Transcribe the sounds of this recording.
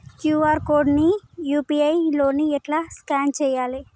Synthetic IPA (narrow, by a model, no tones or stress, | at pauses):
kjuːaːɾkoːɾɖnijuːpiɐjlo̞ːniɛʈlaːskaːnt͡ʃɛːjaːli